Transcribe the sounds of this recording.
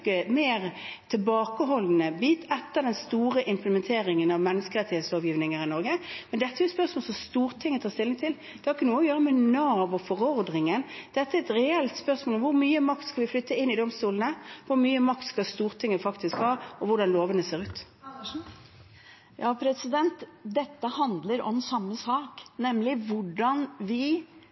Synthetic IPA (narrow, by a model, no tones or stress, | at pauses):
kəmeːʁt̪ʰɪlbɑːkəɦɔlnəbiːt̪ʰɛt̪ːəɾd̪ɛnst̪uːɾəʔɪmpləmɛnt̪ʰeːɾɪŋənɑʋmɛnːəskəɾɛt̪ɪh̪sɑːʋjiːʋnɪŋəɾɪnɔɾɡəmɛnd̪ɛt̪ːəɛɾjɛt̪spœɾsmoːlsɔmst̪uːɾt̪ʰɪŋːət̪ʰɑːʁst̪ɪlːɪŋt̪ʰɪl | d̪̥ɛhɑɾɪkənuːəɔjøːɾəmɛnɑːʋɔfɔɾɔʁd̪ɾɪŋənd̪̥ɛt̪ːəæɛt̪ɾɛɛlt̪spœʁsmoːlɔmʋʊɾmyːəmɑkt̪skɑlʋɪflʏt̪ʰːəɪnːɪd̪ɔmst̪uːlənəʋʊɾmyːəmɑkt̪skɑlst̪uːʁt̪ʰɪŋːəfɑkt̪ɪskhɑːɔʋʊɖɑnloːʋənəseːɾʉːt̪ | jɑːpʰɾɛsɪd̪ɛnt̪d̪ɛt̪ːəhɑnd̪ləɾɔ̰msɑmːəsɑːknɛmlɪʋʊɖɑnʋɪ